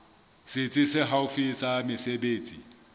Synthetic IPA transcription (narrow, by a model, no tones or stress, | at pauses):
sɪt͡sʼɪsɪɦaʊfisamɪsebeːt͡sʼḭ